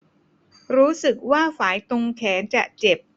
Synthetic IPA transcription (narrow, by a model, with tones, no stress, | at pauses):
ɾuː˦˥sɯ˨˩k̚waː˥˩faː˩˦jt̪o˧ŋkʰɛː˩˦nt͡ɕa˨˩t͡ɕe˨˩p̚